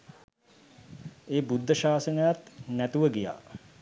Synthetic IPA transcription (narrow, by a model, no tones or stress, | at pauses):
eːbud̪ʱːəʃaːsənəjat̪næt̪uʋəɡija̰ː